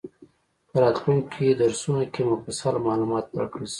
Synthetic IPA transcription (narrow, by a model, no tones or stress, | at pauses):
pəɾɑt̪luŋkʰid̪aɾsunakemʊfasɑlmɑlumɑt̪wa̰ɾkɽəl